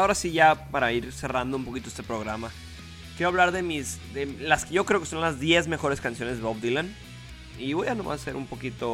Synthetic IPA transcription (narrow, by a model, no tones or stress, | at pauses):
ao̞ɾasiʝapaɾaiɾse̞rand̪oumpo̞kit̪oe̞st̪e̞pɾo̞ɣɾama | kjeɾoaβ̞laɾðe̞mizd̪elaskeʝo̞kɾe̞okeso̞nlazðje̞zmexo̞ɾe̞skansjo̞ne̞zðoβd̪ilan | iβojanoma̰se̞ɾumpo̞kit̪o̞